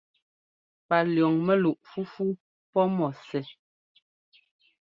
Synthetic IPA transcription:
pa˨ljɔ˨ŋmɛ˦lu˨ʔfu˦fu˦ | pɔ˦mɔ˨sɛ˨

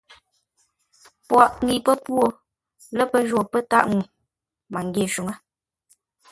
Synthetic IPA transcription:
pwɔ˨ʔŋi˨pə˦pwo˦˨ | lə˦pə˦ʒo˦˨pə˦ta̰˦ʔŋu˨ | ma˨ŋ˨ɡe˨ʃu˨ŋə˦

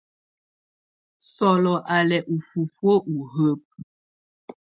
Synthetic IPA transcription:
sɔ˨lɔ˨ʔa˨lɛ˨ʔu˨fu˨fwo˦ʔu˨ɦə˦p̚

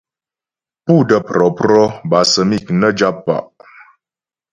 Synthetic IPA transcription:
pu˦˨də˦˨pɾɔ˨pɾɔ˦ba˨sə˨mi˦˨knə˦d͡ʒa˦pːa̰˨ʔ

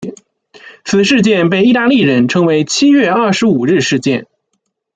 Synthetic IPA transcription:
t͡sʰɹ̩˨˩ʂɻ̩˥˧t͡ɕjɛ˥˧npe˥˧ɪi˥˧t̪a˥˧li˥˩ɻə˧˥nʈ͡ʂʰɤ˧˥ŋwe˧˥ɪt͡ɕʰi˥ɥɛ˥˧ɐ˥˩ʂɻ̩˧˥u˨˩ɻɻ̩˥˧ʂɻ̩˥˧t͡ɕjɛ̰˥˩n

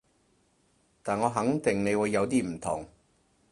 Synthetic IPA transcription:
t̪aː˨˩nŋɔː˨˧ɦɐ˨˥ŋt̪ɪ˨˩ŋne˨˧jwu˨˧jːɐ˨˧wt̪iː˥m̩˨˩t̪ʰʊ̰˨˩ŋ

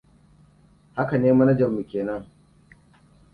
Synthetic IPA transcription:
ha˦ka˨neː˦mɐ˦na˦d͡ʒɐ˨mːu˨kʲeː˨nɐ˦ŋ

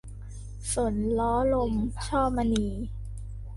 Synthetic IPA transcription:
so˩˦nlɔː˦˥lo˧mt͡ɕʰɔː˥˩ma˧niː˧

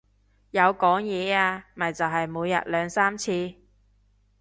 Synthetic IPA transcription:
jɐ˨˧wkɔː˨˥ŋjɛː˨˧aː˧mɐ˨jt͡sɐ˨wɦɐ˨jmuː˨˧jːɐ̰˨t̚lœː˨˧ŋsaː˥mt͡sʰiː˧

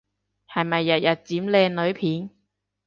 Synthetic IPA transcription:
hɐ˨jmɐ˨jːɐ˨t̚jɐ˨t̚t͡siː˨˥mlɛː˧ŋlɵ˨˧˥ɥpʰiː˨˥n

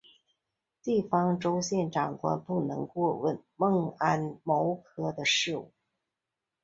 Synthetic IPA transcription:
t̪i˥˩fɑ˥ŋʈ͡ʂo˥ʊɕjɛ˥˩nʈ͡ʂɑ˨˩ŋkwa̰˥npu˥˩nɤ̰˧˥ŋkwɔ˥˧wə˥˧nmɤ˥˧ŋa˥nmo˧˥ʊkʰɤ˥d̪ə˧ʂɻ̩˥˧u˥˩

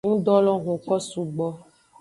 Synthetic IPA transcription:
ŋũ˦dɔ˦lɔ̃˦ɣũ˨kɔ˦su˨ɡ͡bɔ˦

